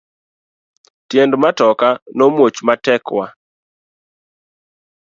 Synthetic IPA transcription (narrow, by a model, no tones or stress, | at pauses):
tjendmatɔkanomwot͡ʃmatɛkwa